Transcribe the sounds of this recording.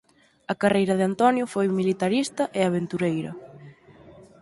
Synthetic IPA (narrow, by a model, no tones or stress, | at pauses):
ɐkarejɾɐðɪant̪ɔnjʊfojmilit̪aɾist̪ɐʔɪaβ̞ent̪uɾejɾɐ̰